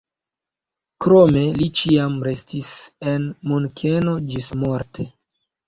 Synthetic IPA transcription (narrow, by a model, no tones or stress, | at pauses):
kɾo̞me̞lit͡ʃiamɾe̞stise̞nmunkʰe̞no̞d͡ʒismo̞ɾte̞